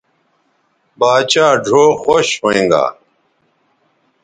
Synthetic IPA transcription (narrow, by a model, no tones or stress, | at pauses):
baːt͡ɕaːɖʱoːxoɕɦoẽːŋɡa̰ː